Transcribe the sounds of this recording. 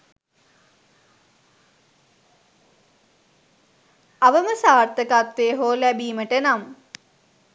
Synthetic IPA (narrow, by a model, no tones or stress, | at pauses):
aʋəməsaːrt̪əkat̪ʋeɦoːlæbiːməʈənam